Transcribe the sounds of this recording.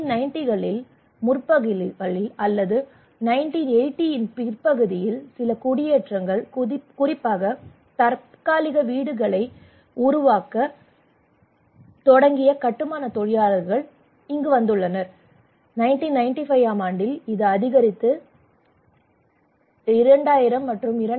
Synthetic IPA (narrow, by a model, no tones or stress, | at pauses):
nɐɪnʈɪɣɐɭɪl | mʊrpɐɣɯɣɐɭɪlɐlːɐðɯ | nɐɪnʈinɛɪʈːɪjɪnpɪrpɐɣɯðɪjɪlsɪlɐkʊɽɪjeʈrɐŋɡɐɭkʊrɪpːaːɣɐ | t̪ɐɾ | kaːlɪɣɐʋiːɽɯɣɐɭɐɪ | ʊɾʊʋaːkɐ | t̪ɔɽɐŋɡɪjɐkɐʈːɯmaːnɐt̪ɔɻɪjaːɭɐɾɣɐɭ | ɪŋɡɯʋɐnd̪ɯɭːɐnɐɾ | nɐɪnʈinɐɪnʈifɐɪʋaːmaːɳɖɪlɪðɯɐðɪɣɐɾɪt̪ːɯ | ɪɾɐɳɖaːjɪɾɐmːɐʈrɯmɪɾɐ